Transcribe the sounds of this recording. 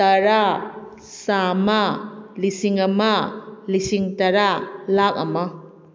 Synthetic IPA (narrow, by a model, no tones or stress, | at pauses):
ɐɾa | samɐlisiŋɐmɐlisiŋtɐɾalak̚ɐmɐ